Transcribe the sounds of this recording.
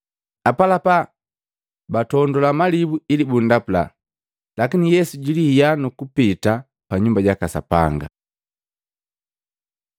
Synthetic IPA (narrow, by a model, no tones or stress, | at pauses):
apalapa | batɔndɔlamalibuilibundapula̰ | lakinijɛsuɟilijanukupita | paɲumbaɟakasa̰pa̰ŋɡa̰